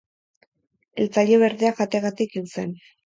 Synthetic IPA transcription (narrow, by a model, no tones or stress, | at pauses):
e̞lt͡saʎeβe̞ɾðeaɣat̪e̞ɣat̪ikiwse̞̰n